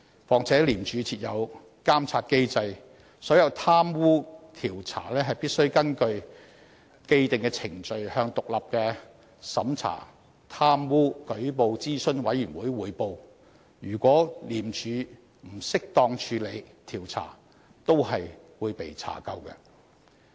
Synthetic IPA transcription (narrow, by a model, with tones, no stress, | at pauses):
fɔː˨ŋt͡sʰɛː˨˥liː˨˩mt͡ʃʰyː˨˧t͡sʰiː˨˧t̚jɐ˨˧w | kaː˥mt͡sʰaː˧t̚ke˥jt͡sɐ˧j | sɔː˨˥jɐ˨˧wt̪ʰaː˥mwuː˥t̪ʰiː˨˩wt͡sʰa̰ː˨˩lɛː˥ɦɐ˨jpiː˥t̚sɵ˥ɥkɐ˥nkɵ˧ɥ | ke˥˧jt̪ɪ˨˩ŋkɛ˧t͡sʰɪ˨˩ŋt͡ʃɵ˨˧ɥhœː˧ŋt̪ʊ˨k̚lɐ˨p̚kɛː˧ | sɐ˨˥mt͡sʰa̰ː˨˩ | t̪ʰaː˥mwuː˥kɵ˨˥ɥp̬o˨˧wt͡siː˥sɵ˥nwɐ˨˥jyː˨˩nwuː˨˥jwuː˨˧jpo˧w | jyː˨˩kʷɔː˨˥liː˨˩mt͡ʃʰyː˨˧ | m̩˨˩sɪ˥k̚t̪ɔː˧ŋt͡ʃʰyː˨˧le˨˧jt̪ʰiː˨˩wt͡sʰa̰ː˨˩ | t̪o˥wɦɐ˨j | wuː˨˧jpe˨jt͡sʰa̰ː˨˩kɐ˧wkɛ̰˧